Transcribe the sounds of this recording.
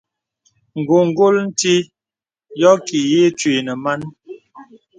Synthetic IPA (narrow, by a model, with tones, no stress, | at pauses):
ŋ̩˨ɡo˨ŋ̩˨ɡo˦ln̩˦ti˦ | jɔ˦ki˨je˦t͡ʃwi˨nə˨ma˦n